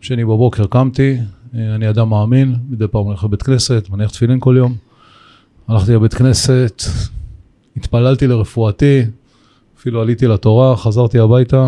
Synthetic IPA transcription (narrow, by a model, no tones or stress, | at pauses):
ʃenibabo̞keʁkamt̪ianiad̪amːaːminmid̪ejpaːmaniaχlebet̪kne̞se̞t̪maniaχt̪filimko̞ljo̞m | anaχt̪ilebet̪kne̞se̞t̪ | it̪palalt̪ileʁefuat̪i | afilualit̪ilat̪o̞ʁaχazaʁt̪iabajt̪a